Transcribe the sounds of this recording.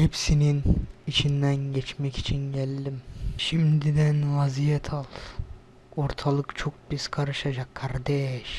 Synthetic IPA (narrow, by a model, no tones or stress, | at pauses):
hepsininit͡ʃʰind̪ænɟɛt͡ʃmɛci̥t͡ʃʰinɟælʲd̪imʃimd̪id̪ænvazijɛt̪ʰalˠ | oɾt̪ʰalˠɯkt͡ʃʰo̞k̚biz̥kʰaɾɯʃad͡ʒakʰːaɾd̪ɛʃ